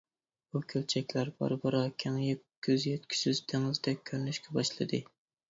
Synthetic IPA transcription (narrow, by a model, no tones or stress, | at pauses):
bukʲʰølt͡ʃʰɛkʲlæɾbɑ̰ɾbɑɾɑkʲʰɪŋjeː | yzjet̪̚kʲʰy̥syzt̪ʰeŋɨzd̪ɛk̚ʲʰːøɾynyʃkʲʰɛbɑʃlˠɨd̪ɪ